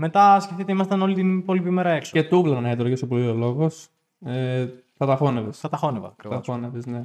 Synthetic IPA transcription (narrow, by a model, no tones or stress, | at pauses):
me̞t̪ɐsceft̪it̪eimɐst̪ɐno̞lit̪inpo̞lipimeɾɐe̞ksoet̪ublɐnɐet̪ɾoʝesopoliolo̞ɣo̞s | e | θɐt̪ɐfo̞nevesθɐt̪ɐxo̞nevɐ̰ɐkɾivɐɐoɐfoneveszne